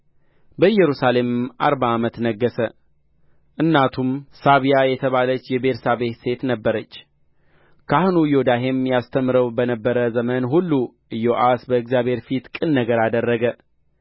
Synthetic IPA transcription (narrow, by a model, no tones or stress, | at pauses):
bəɨjːɛɾusale̞mʔa̰ɾbaːmət̪nəɡːəsə | ʔɨnːat̪ʰumsaβijajɛt̪ʰəβalət͡ʃːjɛbeɾsaβe̞t̪se̞t̪nəbːəɾət͡ʃː | kʰahnujod̪aɦe̞mjast̪ʰəmːɾəwbənəbːəɾəzəmənɦulːu | ɨjoʔasbəɨkzjabhe̞ɾfit̪kʼɨnːəɡəɾad̪ərːəɡə